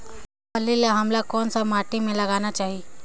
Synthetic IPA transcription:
pəlilaɦɐmlakɔːnsamaːʈimẽlɐɡanat͡ʃaːɦie

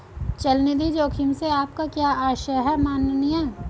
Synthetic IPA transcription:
t͡ʃɐlnid̪id͡ʒoːkʰɪmseaːp̚kakjaːaːʃəɦɛmaːnnijaː

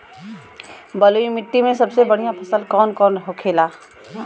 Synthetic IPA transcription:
bəluimɪʈ̪ːimẽsəbsebəɽ̤ijãpʰəsəlkɔːnkɔːnɦokʰeːla

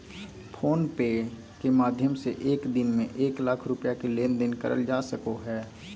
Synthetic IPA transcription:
pʰoːnpeː | kemaːd̪ʱjəmseʔeːkd̪ɪnmẽʔeːklakʰɾʊpjakeleːnd̪ɪnkə̰ɾʔə̰ld͡ʒaːsəkoɦɛː

